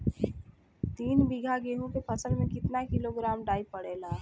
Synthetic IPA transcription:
t̪iːnbiɡʱaɡeɦũkepʰəsəlmẽkɪt̪nakiloɡɾamɖaːipəɽela

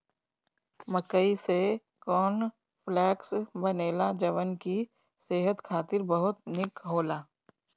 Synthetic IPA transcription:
məkəise | kɔːn | pʰlɛːksbɐneːlad͡ʒɐʋənki | seːɦət̪kʰaːt̪ɪɾbəɦʊt̪nɪkɦoːlaː

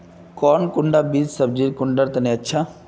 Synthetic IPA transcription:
kɔːnkʊɳɖaːbiːssəbd͡ʒiːɾkʊɳɖəɾt̪ɐneːətːʃʰaː

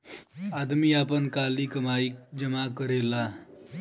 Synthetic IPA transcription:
ad̪miːapənkaliːkəmaik̚d͡ʑəmakəɾela

